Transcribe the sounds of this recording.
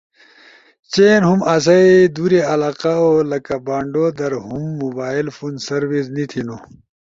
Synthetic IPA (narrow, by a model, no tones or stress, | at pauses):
t͡ɕeːnɦumas̬ɐid̪uɾeɐlaːqaolɐkabaːɳɖod̪ɐɾɦumːubaːilfuːnsɐɾwisnit̪ʰino